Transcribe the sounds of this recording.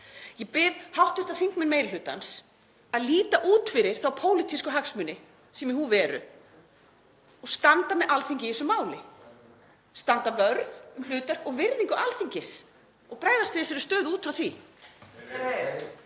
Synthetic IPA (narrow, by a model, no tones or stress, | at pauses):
jɛpɪðhawht̪ʏɾ̥t̪aθiŋkmɪnmeːjllʏːt̪a̰ns | aðliːt̪aʔuːt̪fɪɾɪɾ̥θawpʰoːwlit̪ʰiskʏɦaksmʏnːɪ | sɛmɪɦuvɛːɾʏ̰ | ɔɣst̪ant̪anːɛʔalθiɲcɪihɛsʏmaːwlɪ | st̪ant̪avœɾðʏml̥ʏːt̪œhkɔɣvɪɾðiŋkʏʔalθiɲcɪs | ɔɣpɾaːjðast̪vɪsɛɾʏst̪œːðuːt̪fɾawθvi